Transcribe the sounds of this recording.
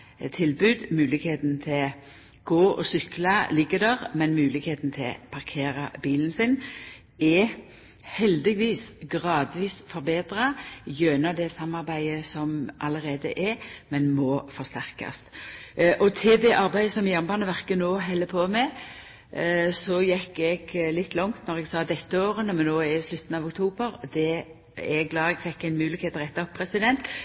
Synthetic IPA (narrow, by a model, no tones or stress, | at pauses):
t̪ʰɪlbʉːd̪mʉːlɪɡheːt̪nt̪ʰɪl | ɡ̥oːʔɔ̰sʏklɑlɪɡːəd̪ɛʁmɛnmʉːlɪɡheːt̪n̩t̪ʰɪlpʰɑʁkʰeːʁɑbiːlən̩sɪn | ɛ | hɛld̪ɪɡʋiːsɡʁɑːd̪ʋiːsfɔʁbeːd̪ʁɑjøːnɑd̪ɛsɑmːɑʁbæɪəsɔmʔɑ̰ləʁeːd̪ə̰ʔɛmɛnmɔfɔst̪æʁkɑ̰st̪ʔɔt̪ʰɪld̪ɛʔɑɾbæɪəsɔmjæʁnbɑnəʋæʁkənoːɦɛlːəpʰoːmɛ | sɔjɛkːɛɡlɪt̪ːlɔŋt̪nɔʁɛɡsɑːd̪ɛt̪ːəoːʁənəmɛnːoːɛslʉt̪ːən̩ɑːʋʊkt̪ʰuːbəɾd̪ɛ | ɛɡlɑːɛɡ̥fɛkːæɪnmʉːlɪɡkheːt̪ʁɛt̪ːɑɔpʰːɾɛsɪd̪ɛnt̪